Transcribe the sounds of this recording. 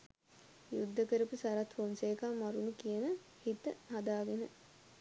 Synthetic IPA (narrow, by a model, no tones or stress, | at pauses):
jud̪ːəkəɾupusaɾɐt̪honseːkaːmaɾunukijənə | hit̪ə̰ɦad̪aːɡenə